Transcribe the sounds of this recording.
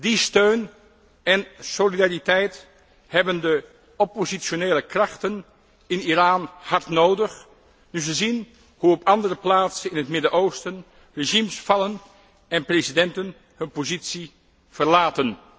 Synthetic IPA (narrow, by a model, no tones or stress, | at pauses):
distøɥn | ɛnsolidaːritɛjt | hɛbəndə | ɔpozioneːləkrɑχtən | ɪniraːnhɑɹtnowdəχ | nyzəzin | huɔpʰɑndərəplaːtsənɪnɦətmɪdəʔowstən | reʒimsfɑlən | ɛnprezidɛntən | hɵnpozitsi | v̥əɹlaːtən